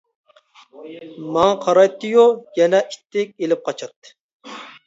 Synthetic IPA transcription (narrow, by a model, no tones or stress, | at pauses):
mɑŋqʰɑɾɑjt̪ʰːɨjujɛnɛʔi̥t̪ʰːɪk̚ʲelɪp̚qʰɑt͡ʃʰɑt̪ːɨ̥